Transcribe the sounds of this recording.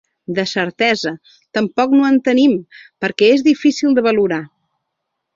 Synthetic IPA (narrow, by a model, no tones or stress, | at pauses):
d̪əsəɾt̪ɛzə | t̪əmpɔknuənt̪ənimpəɾkɛezðifisilˠd̪əβəluɾa